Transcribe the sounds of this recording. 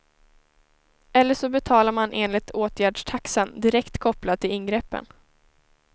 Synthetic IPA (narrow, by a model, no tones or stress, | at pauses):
ɛlːəʂɔbɛt̪ʰɑːlaɾmanʔeːnlɪt̪ʰoːt̪ʰjæːɖʂʈʰaksənd̪ɪɾɛkt̪kʰɔplad̪̚t̪ʰːɪlɪnːɡɾɛpːə̰n